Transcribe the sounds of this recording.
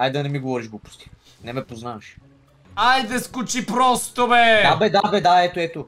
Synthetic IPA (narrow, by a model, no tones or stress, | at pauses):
ajd̪ɐnɛmiɡovɔɾiʃɡopu̥st̪i̥ | nɛmɛpoznavɐʃ | ajd̪ɐskut͡ʃipɾɔst̪obɛd̪abɛd̪abɛd̪aɛt̪oɛt̪o